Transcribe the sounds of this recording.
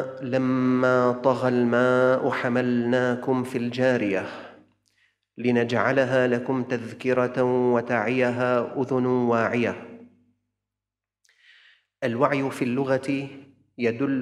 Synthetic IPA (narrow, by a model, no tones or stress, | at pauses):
lamːaːt̪ˤɑɣalmaːʔʊħamalnaːkʊmfild͡ʒaːɾɪja | lɪnad͡ʒʕalɦaːlakʊmt̪aðkɪɾˤɑwat̪aːʕɪjaɦaːʔʊðʊnwaːʕɪja | ʔalwaʕjfiːlːʊɣa | jad̪ʊlː